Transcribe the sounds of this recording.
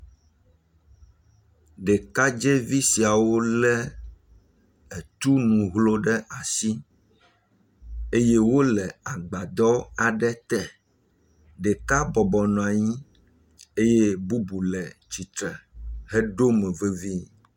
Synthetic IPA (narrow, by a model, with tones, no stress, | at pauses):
ɖɛ˨ka˦d͡ʒe˦vi˦si˨a˨wo˦lɛ˦ | e˨t̪u˦nũ˨ɦlo˦ɖɛ˦ʔa˨si˦ | e˦je˦wo˦lɛ˨a˨ɡ͡ba˨d̪ɔ˦a˨ɖɛ˦t̪ɛ˨ | ɖɛ˨ka˦bɔ˨bɔ˨nɔ̃˨a˨ɲĩ˦ | e˦je˦bu˦bu˨lɛ˨t͡ɕi˨t̪ɾɛ˨ɦe˦ɖo˦mɛ̃˨ve˦vi˦